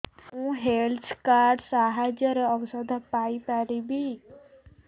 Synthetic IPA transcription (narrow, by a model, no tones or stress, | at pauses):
ũɦelskaɖsaɦad͡ʒəɾeɔʋsəd̪ʱapaipaɾibʱi